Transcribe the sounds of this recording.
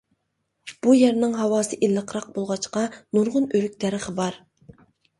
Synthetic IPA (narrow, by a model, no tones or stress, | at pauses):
b̥ujɛɾnɪŋɦɑwɑːsɨʔilˠːəqʰɾɑq̚bolˠʁɑt͡ʃqɑnuɾʁʊnøɾyk̚ʲt̪ʰæɾɨχəbɑɾ